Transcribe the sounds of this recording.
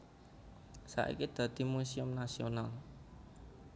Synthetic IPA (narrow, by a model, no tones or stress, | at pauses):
sa̰ʔḭkid̪̥ä̤d̪̥i̤musiʊmnasional